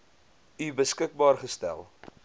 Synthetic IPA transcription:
ybəskək̚bɑːrχəstæ̰lˠ

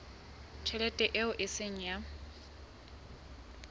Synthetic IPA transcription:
t͡ʃʰɛlɛtʼɛʔɪʊʔɪseŋ̩ja

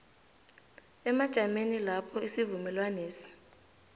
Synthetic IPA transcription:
ɛmad̥ʒ̥ʱamenilapʰɔisivumɛlwaneːsi̥

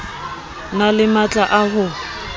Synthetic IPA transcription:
nalɪmat͡ɬʼaʔaɦʊ

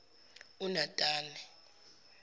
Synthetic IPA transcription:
unatʼaːlɛ

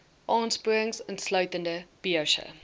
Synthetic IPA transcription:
ʔɑ̃ːnspuɪ̃ŋzə̃nslaɥtə̃ndəb̥iəʃə̰

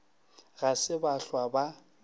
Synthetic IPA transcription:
ɣasɪbaɬwaba

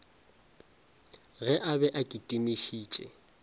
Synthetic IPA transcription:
ɣɛʔabɛʔakʼitʼimiʃiːt͡ʃʼɛ̰

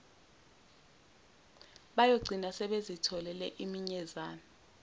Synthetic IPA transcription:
ɓajoɡ͡ǀʱinasɛɓezitʰɔlɛlɛʔimiɲɛzaːnɔ

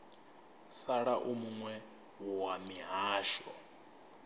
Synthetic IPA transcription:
saɺaʔumuŋwɛ | wuwamiɦaːʃɔ

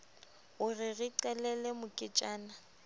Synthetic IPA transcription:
ʊrɪɣɪǀɛlɛlɛmʊkʼɪt͡ʃʼaːna

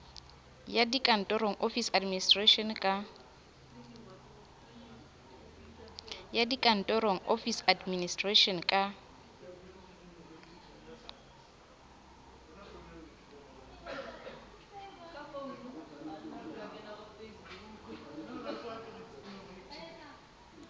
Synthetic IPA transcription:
jadikʼan̩tʼɔɾoŋ̩ʔofisadministʼraʃɔnkʼa | jadikʼan̩tʼɔɾoŋ̩ʔofisadministʼraʃɔnkʼa

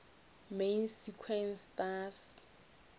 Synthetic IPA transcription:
mensikʰwɛnstas

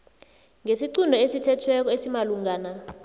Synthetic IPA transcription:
ŋʱesiǀundʱɔesitʰɛtʰwɛk̬ɔesimaluŋɡaːna

